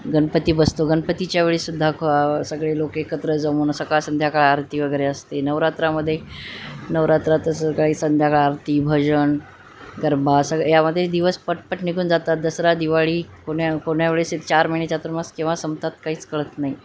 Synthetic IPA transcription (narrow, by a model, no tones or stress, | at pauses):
ɡənpət̪iːbəst̪oɡənpət̪it͡ɕjaʋeɭiːsud̪ʱːaksəɡɭelokekət̪ɾəd͡zəmuːnsəkaɭsənd̪ʱjakəɭaːɾt̪iːʋəɡəjɾeəst̪enəʋɾat̪ɾaməd̪ʱːje | nəʋɾat̪ɾat̪əsəkɭisənd̪ʱjakɭaːɾt̪iːbʱəd͡ʑəɳ | ɡəɾbʱasəɡjaməd̪ʱːjed̪iʋəspəʈ̚pəʈniɡʱuːnd͡zat̪at̪̚d̪əsɾad̪iʋaɭiːkoɳakoɳjaʋeɭeset̪t͡ɕaɾməɦinet͡ɕat̪uɾmaskĩw̃ʋasəmt̪at̪kaɦiːt͡skəɭət̪nai